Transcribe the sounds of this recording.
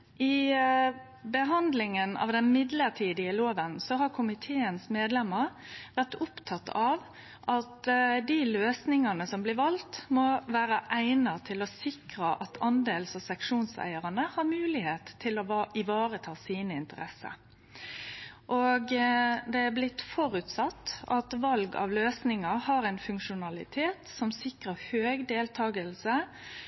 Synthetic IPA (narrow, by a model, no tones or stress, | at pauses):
ɪ | bəɦɑnd̪lɪŋənɑ̰ʋd̪ɛnmɪd̪ləʈʰiːd̪ɪəloːʋənsɔɦɑɾkʰʊmɪt̪ʰeːənsmeːd̪lɛmːəɾʋæʁt̪ʊpt̪ʰɑt̪ʰːɑʋ | ʔɑt̪d̪iløːsnɪŋɑnəsɔmblɪʋɑlt̪mɔʋæːɾəʔæɪnɑt̪ʰɪlɔsɪkɾəʔɑt̪ʰɑnd̪eːlsɑʋsɛŋkʂuːnsæ̰ɪəʁɑnəhɑɾmʉːlɪheːt̪ʰːɪlɔɪʋɑːɾət̪ʰɑːsiːnəɪnt̪əʁɛsə̰ | ʔoɡd̪ɛæɾblɪt̪ːfɔɾʉt̪sɑt̪ːɑt̪ʋɑlɡɑ̰ʋløːsnɪŋɑhɑɾæɪnfʉŋkʂʊnɑlɪ̰t̪ʰeːt̪sɔmsɪkʁəhøːɡd̪eːlt̪ʰɑːɡəlsə